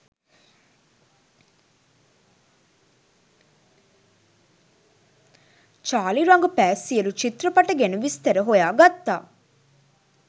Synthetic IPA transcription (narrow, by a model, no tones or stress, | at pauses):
t͡ʃaːliɾɐŋɡupæːsiəlut͡ʃit̪ɾɐpɐʈɐɡenuʋist̪eɾəɦojaːɡat̪ːa̰ː